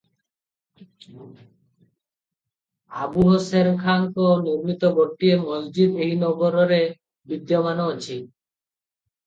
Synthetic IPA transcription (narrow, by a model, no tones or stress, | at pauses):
abuɦosenkʰaŋkoniɾmit̪oboʈːiemosd͡ʑid̪ejnɔboɾoɾe | bid̪jomanoot͡ɕʰi